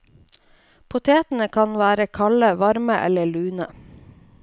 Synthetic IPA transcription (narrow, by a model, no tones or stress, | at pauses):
pʰʊt̪ʰeːt̪n̩əkʰɑnʋæːɾəkʰɑləʋɑɾməʔɛ̰ləɭʉːnə